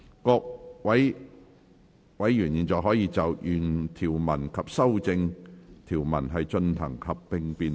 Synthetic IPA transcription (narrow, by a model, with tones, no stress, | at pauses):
kɔː˧k̚wɐ˨˥j | wɐ˨˥jːyː˨˩njiː˨nt͡sɔː˨˧ɦɔː˨˥jiː˧t͡sɐ˨˩wjyː˨˩nt̪ʰiː˨˩wmɐ˨˩nkʰɐ˨p̚sɐ˥wt͡sɪ˧ŋt̪ʰiː˨˩wmɐ̰˨˩nɦɐ˨jt͡ʃɵ˧nt̪ʰɐ̰˨˩ŋhɐ˨pːɪ˧ŋpiː˨n